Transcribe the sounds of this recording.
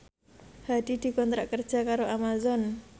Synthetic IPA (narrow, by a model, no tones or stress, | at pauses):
had̪̥id̪̥i̤kɔnt̪ɾaʔkərd̥ʒ̥a̤kaɾoʔamazɔn